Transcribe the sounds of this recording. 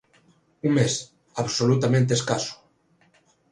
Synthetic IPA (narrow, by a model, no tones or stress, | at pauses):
uŋmes | aβsolut̪amẽnt̪̬eskasu̥